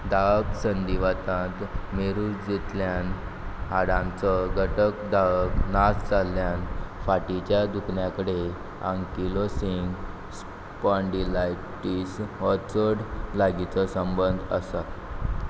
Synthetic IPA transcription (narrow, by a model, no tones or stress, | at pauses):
d̪aʋksənd̪iʋat̪ãt̪meɾud͡zet̪ljan | ɦaɽãnt͡sɔɡʱəʈəkd̪aknasd͡zalːjanfaʈit͡ɕjad̪ukʰɳjakəɽe | ãŋkilosiŋɡ | s | pɔ̃ɳɖilaj | ʈisɦɔt͡səɽlaɡit͡sɔsəmbənd̪ʱəsa